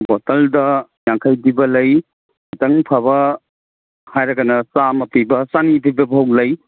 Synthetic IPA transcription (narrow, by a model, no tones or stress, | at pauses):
bɔtɐldɐjaŋkʰɐjdibɐlɐj | itɐŋpʰɐβɐ | hajɾɐɡɐnɐsamɐpibɐsanibibɐbɦow̚lɐj